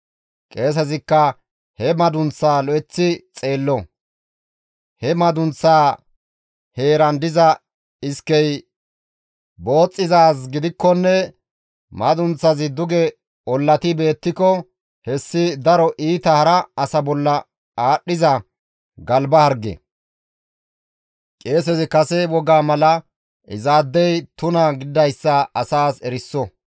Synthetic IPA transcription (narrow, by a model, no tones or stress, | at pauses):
kʼe̞ːs̬ɐzɪkːɐ | hɛmɐd̪ʊnt͡sːaːlɔʔɛt͡sːɪt͡sʼe̞ːlːɔ | hɛmɐd̪ʊnt͡sːaː | he̞ːɾɐnd̪ɪzɐ | ɪskːɛj | bo̞ːt͡sʼːɪzaːs̬ɡɪd̪ɪkːɔnːɛ | mɐd̪ʊnt͡sːɐzɪd̪ʊɡɛ | ɔlːɐt̪ɪbe̞ːt̪ːɪkɔ | hɛsːɪd̪ɐɾɔʔiːt̪ɐhɐɾɐɐsɐbɔlːɐ | aːɗɪzɐ | ɡɐlbɐhɐɾɡɛ̰ | kʼe̞ːsɛzɪkɐsɛwɔɡaːmɐlɐ | ʔɪ̰zaːd̪ːɛjt̪ʊnɐɡɪd̪ɐjsːɐɐsaːsɛɾɪsːɔ